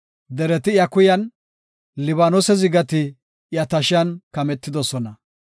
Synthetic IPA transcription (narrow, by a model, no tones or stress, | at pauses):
d̪ɛɾɛt̪ɪjɐkʊjɐn | lɪβaːnosɛzɪɡɐt̪ɪ | jɐt̪ɐʃɪjɐnkɐmɛt̪ːɪd̪ɔsɔnɐ